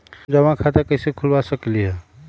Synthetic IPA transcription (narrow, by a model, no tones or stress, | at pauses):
d͡ʒəʋãkʰat̪əkəsekʰʊlʋasəkliɦɛ